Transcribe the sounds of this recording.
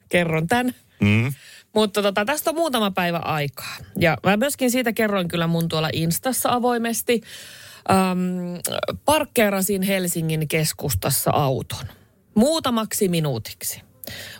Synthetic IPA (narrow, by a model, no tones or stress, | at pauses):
kerːont̪æn | mut̪ːɑt̪ot̪ɑt̪æst̪ommuːt̪ɑmɑpæiʋæ̰ʔɑikɑ̥ːjɑmæmyøskinsiːt̪ækerːoiŋkylːæmunt̪uolɑ̰ʔinst̪ɑsːɑɑʋo̞imest̪iʔəːm | pɑrkːeːɾɑsinhelsiŋːiŋkeskust̪ɑsːɑ̰ʔɑut̪o̥n | muːt̪ɑmɑksiminuːt̪i̥ksi̥